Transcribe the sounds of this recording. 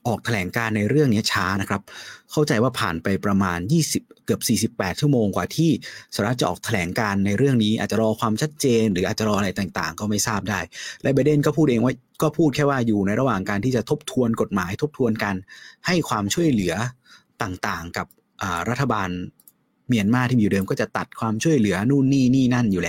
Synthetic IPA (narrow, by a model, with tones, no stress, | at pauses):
ʔɔː˨˩k̚t̪ʰa˧lɛː˩˦ŋkaː˧nːa˧jɾɯ˥˩əŋni˦˥ɐt͡ɕʰaː˦˥na˦˥kʰɾa˦˥p̚kʰa˥˩wt͡ɕa˧jwaː˥˩pʰa̰ː˨˩npa˧jpɾa˧maː˧njiː˥˩si˨˩p̚kɯ˨˩əp̚siː˨˩si˨˩pːɛː˨˩t̪̚t͡ɕʰu˥˩əmoː˧ŋkwaː˨˩t̪ʰiː˥˩saː˨˩˦ɾa˦˥t̪t͡ɕa˨ʔɔː˨˩t̪ʰa˧lɛː˩˦ŋkaː˧nːa˧jɾɯ˥˩əŋniː˦˥ʔaː˨˩t̪̚t͡ɕa˨˩ɾɔː˧kʰwaː˧mt͡ɕʰa˦˥t̪̚t͡ɕeː˧nɾɯː˩˦ʔaː˨˩t̪̚t͡ɕa˨˩ɾɔː˧ʔɾa˧jt̪aː˨˩ŋt̪a̰ː˨˩ŋkɔː˥˩ma˥˩jsaː˥˩p̚daː˥˩jlɛ˦˥bɛː˧˩de˥˩nkɔː˥˩pʰuː˥˩t̪ʔeː˧ŋwa˦˥j | kɔː˥˩pʰuː˥˩t̪̚kʰɛː˥˩waː˥˩juː˨˩na˧jɾa˧waː˨˩ŋkaː˧nt̪ʰiː˥˩t͡ɕa˨˩t̪ʰo˦˥p̚t̪ʰu˧ənko˨˩t̪̚maː˩˦jt̪ʰo˦˥p̚t̪ʰu˧ənka˧nha˥˩jkʰwaː˧mt͡ɕʰu˥˩əjlɯ˩˦ɐt̪aː˨˩ŋt̪aː˨˩ŋka˨˩p̚ | ʔəː˨˩ɾa˦˥t̪ʰːa˧baː˧n | mi˧ənmaː˥˩t̪ʰiː˥˩i˨˩dɤː˧mkɔː˥˩t͡ɕa˨˩t̪a˨˩t̪̚kʰwaː˧mt͡ɕʰu˥˩əjlɯ˩˦ɐnuː˥˩nːiː˥˩niː˥˩na˥˩njuː˨˩lɛː˦˥